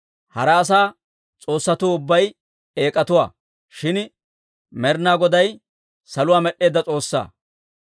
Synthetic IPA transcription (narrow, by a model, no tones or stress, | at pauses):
hɐɾɛːs̬aː | t͡sʼo̞ːsːɐt̪uːʊbːɐj | e̞ːkʼɐt̪ʊwa̰ː | ʃɪn | mɛɾnaːɡɔd̪ɐj | sɐlʊwaːmɛɗːe̞ːd̪ːɐt͡sʼo̞ːsːa̰ː